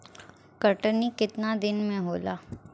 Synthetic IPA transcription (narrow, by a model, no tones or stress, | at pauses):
kəʈənikɪt̪nad̪ɪnmẽɦoːlaː